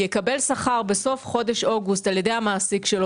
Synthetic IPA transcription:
jekabe̞lsaχaʁbeso̞fχo̞de̞ʃo̞ɡustaljede̞jhamaːsikʃel

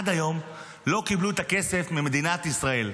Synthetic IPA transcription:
ad̪ajo̞m | lo̞kibluet̪ake̞se̞fmime̞d̪inat̪isʁae̞l

